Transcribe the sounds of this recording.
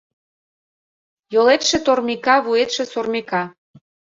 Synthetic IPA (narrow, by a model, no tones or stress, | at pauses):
jolet̪ʃĕt̪ormikɑβuet̪ʃĕsormekɑ